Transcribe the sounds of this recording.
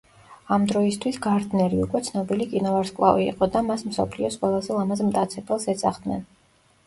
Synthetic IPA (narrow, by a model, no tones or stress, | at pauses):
amd̪ɾɔist̪ʰwisɡaɾd̪nɛɾiukʼwɛt̪sʰnɔbilikʼinɔvaɾskʼlˠa̰vḭːqʼɔd̪amasmsɔ̰pʰliɔsqʼwɛlˠazɛlˠamazmt̪ʼat̪sʰɛbɛlˠsɛsaχd̪̥nɛ̰n